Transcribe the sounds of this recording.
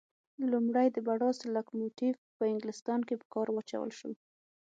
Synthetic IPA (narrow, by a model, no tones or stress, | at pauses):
lumɽajd̪əbaɽɑsɪlakmoʈivpəɪŋɡlɪst̪ɑnkepə̥kɑɾwat͡ʃa̰wə̰lʃə̰l